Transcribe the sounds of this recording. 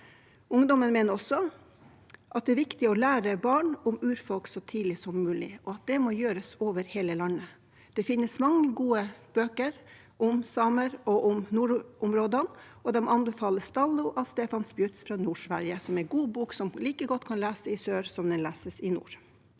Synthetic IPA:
ʊŋd̪ɔmənmeːnəɾɔsːɔ | ʔɑt̪̚d̪ɛæɾʋɪkt̪ɪɔlæːɾəbɑːɳʊmʉːɾfɔlksɔt̪ʰiːd̪lɪsɔmːʉːlɪ̰ɔɑt̪̚d̪ɛmoːjøːɾəsoːʋəɾheːləlɑnːə | d̪̥ɛfɪnːəsmɑŋːəɡuːəb̥øːkəɾ | ʔʊmsɑməɾɔʔʊmnuːɾʊmɾoːd̪ənʔɔd̪ɛmɔɑnbɛfɑːləst̪ɑlːʊʔɑʋst̪eːfɑnsbjʉt̪sfɾɑnuːʂʋæɾjəsɔmɛɡuːbuːksɔmliːkəɡɔt̪ːkʰɑnlæːsəɪsøːɾsɔmd̪ɛnlæːsəsɪnṵːɾ

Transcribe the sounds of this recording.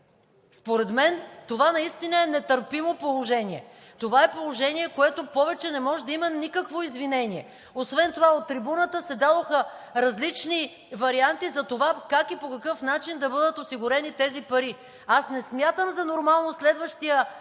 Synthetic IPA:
spoɾɛd̪mɛnt̪ovanɐist̪inəɛnɛt̪əɾpimopolˠoʒɛniɛ | t̪ovaɛpolˠoʒɛniɛkoɛt̪opɔvɛt͡ʃɛnɛmɔʒɛd̪ɐimənikəkvoizvinɛniɛ | osvɛnt̪ovaot̪ːɾibunət̪əsɛd̪ad̪oxə | ɾɐzlit͡ʃni | vɐɾiant̪izɐt̪ovakakipokɐkɤfnat͡ʃind̪ɐbɤd̪ət̪osiɡʊɾɛnit̪ɛzipɐɾi | asnɛsmʲjat̪əmzɐnoɾmalˠnoslɛd̪vəʃt̪ijə

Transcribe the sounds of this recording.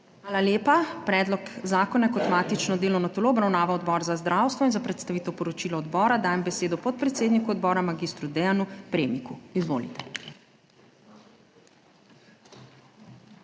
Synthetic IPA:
xʋaːlaljeːpapɾɛːd̪lɔkzaːkɔnakɔt̪maːt̪it͡ʃnɔd̪eːlɔwnɔt̪oloːɔbɾawnaːʋaɔd̪bɔːɾzazd̪ɾaːwst̪ʋɔinzapɾɛt̪st̪aʋit̪ɛwpɔɾɔt͡ʃiːlɔɔd̪bɔːɾad̪aːjɛmbɛseːd̪ɔpɔt̪̚pɾɛt̪seːd̪nikuɔd̪̚bɔːɾamaɡiːst̪ɾud̪ɛjanupɾeːmikuizʋo̰ːlḭt̪ɛ̥

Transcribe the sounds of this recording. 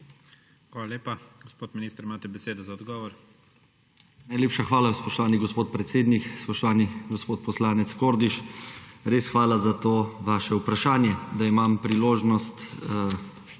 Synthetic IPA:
xʋaːlaleːpaɡɔspoːt̪miniːst̪ɾimaːt̪ɛbɛseːd̪ɔzaɔd̪ɡɔːʋɔɾ | najlʲeːpʃaxʋaːlaspɔʃt̪ɔʋaːniɡɔspoːt̪̚pɾɛt̪seːd̪nikspɔʃt̪ɔʋaːniɡɔspoːt̪̚pɔslaːnɛt̪skoːɾd̪iʃɾeːsxʋaːlazat̪oːʋaːʃɛupɾaʃaːnjɛd̪aimampɾiloːʒnɔst̪

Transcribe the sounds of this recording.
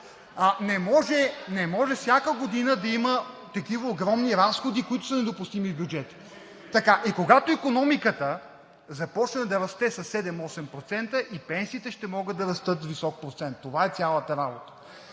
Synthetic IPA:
nɛmɔʒɛnɛmɔʒɛfsʲakəɡod̪inəd̪ɐimət̪ɐkivəoɡɾɔmniɾasxod̪ikoit̪ʊsənɛd̪opʊst̪imivbʲjud͡ʒɛt̪i̥ | t̪ɐkaʔikoɡat̪oikonɔmikət̪ə | zɐpɔt͡ʃnɐd̪ɐɾɐst̪ɛsɐsːɛd̪ɛmɔsɛmpɾot̪sɛnt̪əʔipɛnsiːt̪ɛʃt̪ɛmɔɡɤd̪ːɐɾɐst̪ɤt̪visɔk̚pɾot̪sɛnt̪ːovaɛt̪sʲalˠət̪əɾabot̪ə̥

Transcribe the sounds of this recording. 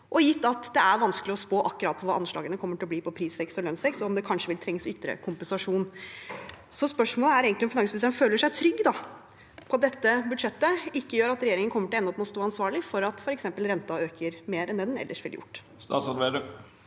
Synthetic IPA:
ʔɔjɪt̪ːɑt̪d̪ɛæɾʋɑnskəlɪɔspoːʔɑkːʉɾɑ̰ːt̪̚pʰɔʋɑːʔɑnʂɭɑ̰ːɡənəkʰɔmːəʈʰɪlɔbliːpʰɔpʰɾiːsʋɛkst̪ɔlœnsʋɛkst̪ɔɔmd̪ɛkʰɑnʂəʋɪlt̪ʰɾɛŋsʏt̪ːɾə̰kʰʊmpəɛnsɑʂuːn | sɔspœʂmoːləæɾeːɡənɪɔmfɪnɑŋsmlsɛnføːləʂæɪt̪ʰɾʏɡːd̪ɑ | pʰɔɑt̪̚d̪ɛt̪ːəbʉd̪ʂɛt̪ːəɪkːəjøːɾɑt̪ɾɛjeːɾɪŋənkɔmːəʈʰɪlɔɛnːɔp̪mɔst̪uːɑnsʋɑːɭɪfɔɾɑt̪fɔɾɛksɛmpəlɾɛnt̪ɑøːkʰəɾmeːɾɛnd̪ɛnɛnɛ̰lːəʂʋɪljʊ̰ʈː | sɑseə

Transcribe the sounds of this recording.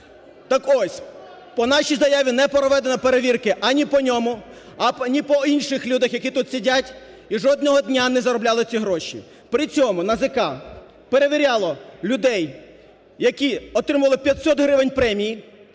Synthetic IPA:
t̪ɑkɔsʲ | pɔnɑʃʲijzɐjaʋʲinɛpɾɔʋɛd̪enɐpeɾeʋʲirkɪʔɐnʲipɔnʲɔmʊ | ɐnʲipɔinʃɪxlʲud̪ɐxjɐkʲit̪ut̪sʲidʲatʲ | iʒɔd̪nɔɦɔd̪ʲnʲanɛzɐɾɔblʲalˠɪt͡sʲiɦɾɔʃʲḭ | pɾɪt͡sʲɔmʊnɐzɪkɑ | peɾeʋʲiɾʲalˠɔlʲʊd̪ɛj | jɐkʲiɔt̪ɾɪmʊʋɐlˠɪpʲjɐt̪ʲsɔt̪ɦɾɪʋɪnʲpɾɛmʲiji

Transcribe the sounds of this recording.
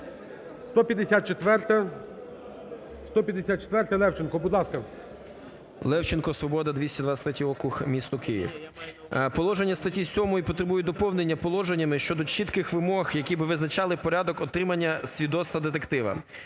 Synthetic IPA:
st̪ɔpʲjɐd̪esʲat̪̚t͡ʃet̪ʋɛrt̪ɛ | st̪ɔpʲjɐd̪esʲat̪̚t͡ʃe̥t̪ʋɛrt̪ɛlˠɛwt͡ʃɪnkɔbud̪lˠɑskɐ | lˠɛwt͡ʃenkɔsʋɔbɔd̪ɐd̪ʲʋʲisʲtʲid̪ʋast̪ɐtʲiɔkʊxmʲist̪ɔkɪjḭw | pɔlˠɔʒenʲːɐst̪ɐtʲisʲɔmɔjipɔt̪ɾebujɛd̪ɔpɔwnenʲːɐpɔlˠɔʒenʲːɐmɪʃt͡ʃɔd̪ɔt͡ʃit̪kɪxʋɪmɔxjɐkʲibɪʋɪznɐt͡ʃɑlˠɪpɔɾʲad̪ɔkɔt̪ɾɪmɐnʲːɐsʲʋʲid̪ɔst̪ɐd̪et̪ekt̪ɪʋɐ̰

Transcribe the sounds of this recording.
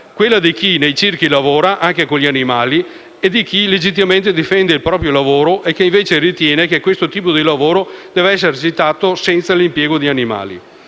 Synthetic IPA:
kwelːad̪ik̟inejt͡ʃirkilavoːɾaʔaŋkekoʎianimaːli | ed̪ik̟iled͡ʒit̪̬ːimament̪ed̪ifɛnd̪eilpɾɔːpɾjolavoːɾoʔekːeiɱveːt͡ʃerit̪jɛːnekekwest̪ot̪iːpod̪ilavoːɾod̪̥ɛːveɛs̬ːeɾet͡ʃit̪ːaːt̪osɛnt̪salimpjɛːɡod̪ianima̰ːlḭ

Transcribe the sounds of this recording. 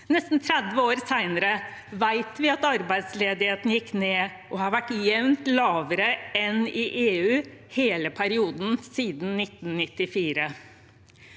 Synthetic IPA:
nɛst̪n̩t̪ʰɾɛd̪ʋəoːɾsæɪnəɾə | ʋæɪt̪ʋɪɑt̪ɑɾbæɪd̪sleːd̪ɪheːt̪njɪkːneː | ʔɔhɑɾʋæʈjɛʋnt̪lɑːʋəɾəɛnɪʔeːʉːheːləpʰæɾɪuːd̪n̩siːd̪n̩nːɪt̪n̩nɪt̪ːɪfiːɾə

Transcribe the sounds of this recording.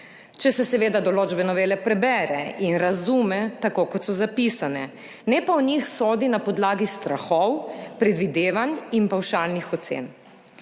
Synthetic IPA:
t͡ʃɛsɛsɛʋeːd̪ad̪ɔloːd͡ʒbɛnɔʋeːlɛpɾɛbɛːɾɛʔinɾazuːmɛt̪akoːkɔt̪sɔzapisanɛ | nɛpaɔnixsoːd̪inapɔd̪laːɡist̪ɾaxɔwpɾɛd̪ʋid̪eːʋaninpawʃaːlnixɔt̪sḛːn

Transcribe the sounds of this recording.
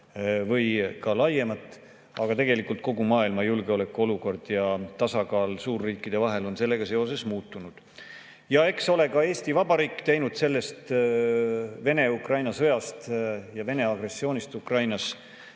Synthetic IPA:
vɤjkɑlɑje̞mɑt̪ːˑ | ɑɡ̥ɑt̪e̞ɡ̥e̞likːˑult̪̚ko̞ɡumɑːilmɑjulɡ̥eole̞kːˑuo̞luko̞rd̪̥jɑt̪ɑsɑɡɑːlsuːrːiːkːˑid̪̥e̞vɑɦe̞lo̞nse̞lːe̞ɡ̥ɑse̞o̞s̬e̞smuːt̪ːˑunud̪̥ | jɑe̞kso̞le̞kɑe̞ːst̪ivɑbɑɾiːkːt̪e̞jnud̪̥se̞lːe̞st̪ | ve̞ne̞ukrɑjnɑsɤ̞jɑst̪jɑve̞ne̞ɑɡ̥re̞sːio̞ːnist̪ukrɑjnɑs

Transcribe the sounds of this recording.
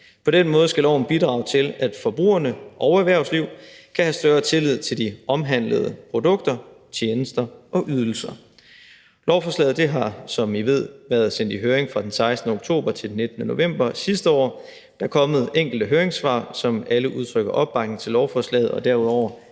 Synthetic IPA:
pʰɒ̽d̥enmɔ̽ːð̞̩ˠəsɡ̥ælɒ̰ʊn̩b̥id̥ʁɑ̈ʊt͡sʰe̝læd̥fɒ̽b̥ʁṵːɐnəʔɒʊæʋæɐʊsliʊ̰kʰæhæsd̥ɶɐt͡sʰe̝lið̞̰ˠt͡sʰe̝ld̥iʔɒ̽mɦæn̰ləð̞ˠəpʰʁo̝d̥ɔ̽ɡ̥̚d̥ɐ | t͡ɕʰjeːnəsd̥ɐʔɒ̽ʔyð̞ˠl̩sɐ | lɒʊfɒslɛ̰ːð̞̩ˠd̥eɦɑ̈sɒ̽miʋe̝ð̞̰ˠʋæːɐðˠsen̰d̥iɦøːɐeŋfʁɑ̈d̥ensɑ̈ɪsd̥n̩əoɡ̥̚t͡sʰo̝̰ːb̥ɐt͡sʰe̝d̥enːe̝d̥nəno̝ʋem̰b̥ɐsisd̥əɒ̰ː | d̥ɑ̈kʰɒ̽məð̞̩ˠeŋ̰ɡ̥l̩d̥əɦøːɐeŋsʋɑ̰̈sɒ̽mæləʔuð̞ˠt͡sʰʁœɡ̥ɐʔɒ̽b̥ːɑ̈ɡ̥ŋ̩t͡sʰe̝lɒʊfɒslɛ̰ːð̞̩ˠɒ̽d̥æɐ̰uðˠɒʊ̰ɐ

